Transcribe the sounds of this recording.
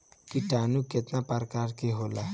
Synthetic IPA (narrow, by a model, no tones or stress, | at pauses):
kiʈanuket̪naparkarkeɦola